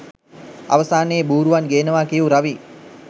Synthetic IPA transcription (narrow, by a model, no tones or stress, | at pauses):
a̰ʋəsaːnəːbuːɾuʋanɡeːnəʋaːkijuɾaʋi